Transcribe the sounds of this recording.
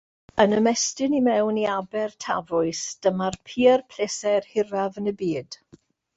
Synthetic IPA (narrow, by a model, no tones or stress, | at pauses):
ənəmɛstɨnimɛwniabɛrtʰa̰vʊɨsd̥əmarpʰiːərpʰl̥esɛrhɪravənəbiːd̥